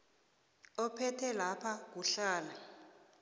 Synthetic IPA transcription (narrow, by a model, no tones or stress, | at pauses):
ɔpʰɛtʰɛlapʰak̬uɬaːla